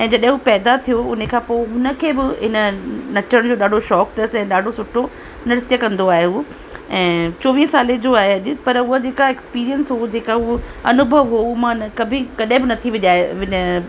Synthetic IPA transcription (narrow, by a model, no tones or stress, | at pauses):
ɛ̃ːd͡ʑɐɗɦɪ̃ɦupɛːd̪at̪ʰijoʊnekʰãːpoːɪɦʊnə̆kʰeːbɪɦɪnənɐt͡ɕɾəɽ̃d͡ʑoːɗaːɖʱoʃɔːkʈɐsɛ̃ːɗaːɖʱosʊʈʰːo | nɪɾɪt̪jəkɐ̃nd̪oaːɦeɦu | ɛ̃ːt͡ɕoːʋiːɦsaːled͡ʑoaːɦeɐʄʊpɐɾʊɦad͡ʑeːkaekspiːɾijənsɦod͡ʑeːkaɦuɐnʊbʱəʋɦoumãkɐbʱɪ̃kɐɗɦɪ̃bɪnɐt̪ʰiʋɪʄaːeʋɪɲ